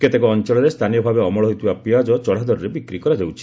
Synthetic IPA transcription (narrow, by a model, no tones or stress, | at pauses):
ket̪ekɔɔnt͡ʃɔɭɔɾest̪ʰanijɔbʱabeɔmɔɭɔɦojt̪ʰibapiad͡ʒɔt͡ʃɔɽ̤ad̪ɔɾɔɾebikɾikɔɾad͡ʒawt͡ʃʰi̥